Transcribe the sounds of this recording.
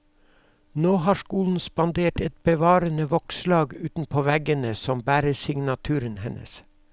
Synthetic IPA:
noːhɑːʃkuːln̩spɑnd̪eːʈɛt̪̚b̥əʋɑːɾənəʋɔkslɑːɡʉːt̪n̩pʰoːʋæɡənəsɔmbæːɾəsɪŋnɑt̪ʰʉːɾənhɛnʔə̰s

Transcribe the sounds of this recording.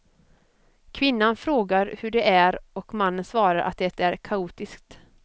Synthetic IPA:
kʰvɪnːanfɾoːɡaɾhɵɖɛʔæɾɔkmanːənsvɑːɾaɾʔa̰t̪̚d̪ɛt̪æɾkʰauːt̪ɪskt̪

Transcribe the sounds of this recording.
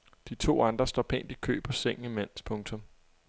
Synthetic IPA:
d̥it͡sʰo̝̰ːɑ̈nd̥ʁɐsd̥ɒpʰḛːnd̥ikʰø̰ːb̥ʰɒseŋ̰n̩imen̰spʰɔ̽ŋt͡sʰɔ̽m

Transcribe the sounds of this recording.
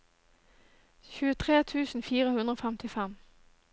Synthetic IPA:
çʉːət̪ʰʁeːt̪ʰʉːsn̩fiːʁəhʉnd̪ʁoːfɛmt̪ʰɪfɛm

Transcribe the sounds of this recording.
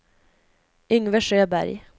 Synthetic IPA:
ʏŋʋəʃøːbæ̰ɾj

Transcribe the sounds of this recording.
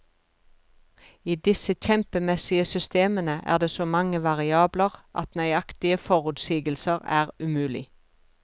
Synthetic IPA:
iːd̪ɪsəçɛmpəmɛsɪəsʏst̪eːmənəʔæ̰ːʁd̪eːsoːmɑŋəʋɑʁɪɑːbləʁʔɑ̰t̪nœʏɑkt̪ɪəfɔʁʉːt̪siːɡəlsəʁæ̰ːʁʉmʉːlɪ̰

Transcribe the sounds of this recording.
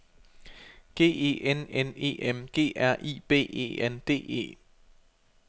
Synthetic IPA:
ɡ̥e̝̰ːe̝̰ːʔenene̝̰ːʔemɡ̥e̝̰ːʔæɐ̰ʔḭːb̥e̝̰ːḛːend̥e̝̰ːe̝̰ː

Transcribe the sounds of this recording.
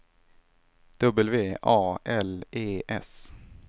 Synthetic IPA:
d̪̥ɵbəlveːʔɑːʔɛleːʔɛs

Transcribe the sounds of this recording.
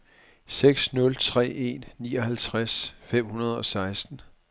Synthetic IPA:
seɡ̥snɔ̽lt͡sʰʁɛ̰ːe̝nːiːɒ̽hælt͡sʰʁasfem̰hunɐð̞ˠɒ̽sɑ̈ɪsd̥n̩

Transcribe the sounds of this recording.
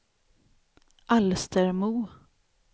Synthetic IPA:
ʔalst̪əɾmuː

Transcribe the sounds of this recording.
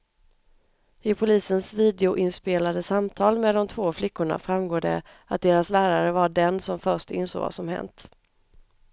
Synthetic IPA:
ɪpʰʊliːsənsviːd̪ɛʊʔɪnspeːlad̪əsamt̪ʰɑːlmɛːd̪ɔmt̪ʰvoːflɪkːʊɳa̰fɾamɡoːɖə̰ | at̪̚d̪eːɾaslæːɾaɾəvaɖɛnsɔmfœʂʈɪ̰nso̰ːɡva̰sɔmhɛ̰nt̪

